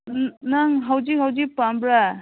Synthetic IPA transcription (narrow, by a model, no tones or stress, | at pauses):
naŋɦawd͡ʒik̚ɦawd͡ʒik̚pambɾa